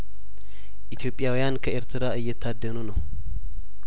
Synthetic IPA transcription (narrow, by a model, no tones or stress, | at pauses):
ʔit̪ʰjo̞pʼjawijankʰəeɾt̪ʰɨɾaɨjːɛt̪ʰːad̪ːənunəw